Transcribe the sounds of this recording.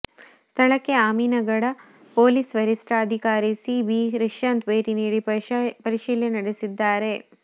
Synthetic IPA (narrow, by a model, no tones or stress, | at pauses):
st̪ʰɐɭɐkːeaːmiːnɐɡɐɽɐ | poːlisʋɐɾisʈɾaɐd̪ʱikaːɾisiʋiɾiʂjɐnt̪ʋeːʈiniːɽipɐɾiʃiːljɐnɐɽesid̪ːaːɾe̞